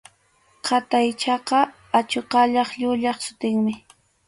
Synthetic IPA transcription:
qʰɑt̪ajt͡ʃɑqɑ | at͡ʃoqɑʎɑχʎʊʎɑχsʊ̥t̪ɪŋmɪ

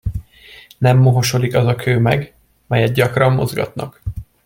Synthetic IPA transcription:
nɛmːo̞ɦo̞ʃo̞likɒzɒkʰøːmɛ̰ɡ | mɛjɛt̪̚ɟɒkrɒmːo̞̰zɡɒ̰t̪nɒk

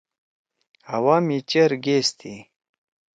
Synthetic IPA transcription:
awaːmit͡ɕeɾɡest̪ʰi

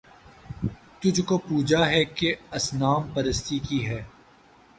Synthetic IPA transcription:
t̪ʊd͡ʒʱkopuːd͡ʒaɦɛkeɐsnaːmpɐɾəst̪ikiɦɛː

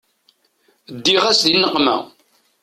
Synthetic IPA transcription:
d̪ːiʁæsðinːəqmæ̰

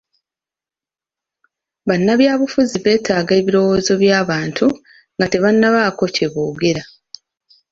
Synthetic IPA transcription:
βanːaβjaːβufuziβe̞ːtʰaːɡe̞ːβiɾo̞wo̞ːzo̞βjaːβaːntʰu | ŋɡate̞βanːaβaːko̞ce̞βoːɡe̞ɾa

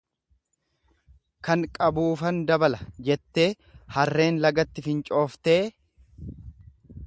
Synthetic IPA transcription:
kɐŋkʼɐbuːfɐnd̪ɐbɐlɐd͡ʒɛt̪ːe̞ː | hɐrːe̞ːnlɐɡɐt̪ːɪfɪnt͡ʃʼo̞ːft̪e̞ː

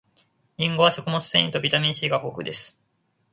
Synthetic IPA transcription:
ɲʲĩŋɡo̞βaɕo̞kɯ̟mosɨ̥sḛ̃ĩit̪o̞bʲit̪amʲĩɕiːɡakokɯ̟d̪e̞sɨ̥

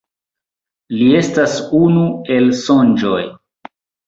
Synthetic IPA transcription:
lie̞stasunue̞lso̞nd͡ʒoj

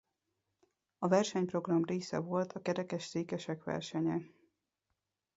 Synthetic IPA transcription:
ɒvɛrʃɛɲpro̞ɡrɒmreːsɛ̰vo̞lt̪ʰɒkɛɾɛkɛʃseːkɛʃɛkʋɛ̰rʃɛɲɛ

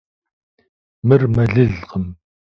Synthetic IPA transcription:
mɨrmɐɮɨɮqəm

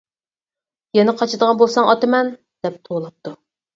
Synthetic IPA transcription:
jɛnɪqʰɑt͡ʃʰɨd̪əʁɑnbolˠsɑŋɑt̪ɨmɛn | d̪̥ɛp̚t̪ʰolˠɑp̚t̪u

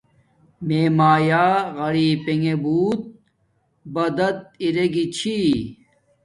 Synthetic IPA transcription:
meːmaːjaːɣɐɽiːpeŋebuːt̪̚ | bɐd̪ɐt̪̚iɾeɡit͡ɕʰi

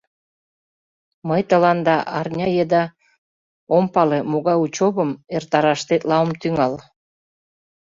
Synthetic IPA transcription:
məjt̪ə̆lɑnd̪ɑʔɑrnʲɑjed̪ɑ | ompɑlemoɣɑjut͡ɕoβəmert̪ɑɾɑʃt̪et̪lɑwəmt̪yŋɑl

